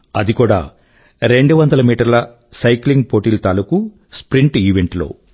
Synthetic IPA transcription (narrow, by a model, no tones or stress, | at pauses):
ɐd̪ikuːɽa̰ː | ɾe̞ɳɖuʋɐnd̪ɐlɐmiːʈɐɾlɐ | sɐjkliŋɡpoːʈiːlt̪aːluku | spɾiɳʈiːʋeɳʈlo̞̰ː